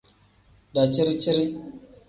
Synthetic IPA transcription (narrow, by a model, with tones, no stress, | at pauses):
da˨t͡ʃi˦ɾi˦t͡ʃi˦ɾi˦